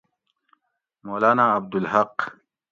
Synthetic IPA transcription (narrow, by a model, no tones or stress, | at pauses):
moːlaːnaːɐb̚d̪ulɦɐq